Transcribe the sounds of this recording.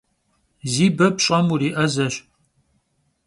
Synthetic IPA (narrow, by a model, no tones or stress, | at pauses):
ziːbɐbɕʼɐmuɾiːʔɐzɐɕ